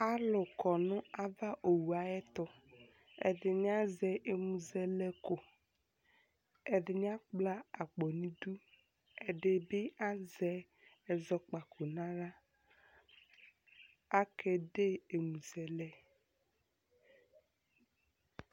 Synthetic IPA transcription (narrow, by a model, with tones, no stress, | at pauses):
a˦lʊ˨kɔ˨nʊ̃˦a˦va˦ʔo˨wu˨a˨jɛ˦t̪ʊ˨ | ɛ̰˨dɪ˨nɪ˦a˦zɛ˨ʔe˨mũ˨zɛ˨lɛ˦kʊ˨ | ɛ˨dɪ˨nɪ˦a˦k͡pla˦a˨k͡pɔ˨nĩ˦du˦ | ɛ˨dɪ˨bɪ˦a˦zɛ˨˦ | ɛ˨zɔ˨k͡pa˨kʰo˨nã˦ɾa˦ | a˦kɛ˨de˦e˨mũ˨zɛ˨lɛ˦